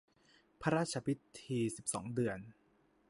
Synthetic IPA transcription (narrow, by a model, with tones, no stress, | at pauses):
pʰa˦˧ɾaː˥t̪̚t͡ɕʰa˧pʰi˦˥t̪ʰiː˧si˨˩p̚sɔ̰ː˩˦ŋdɯ˨˩ən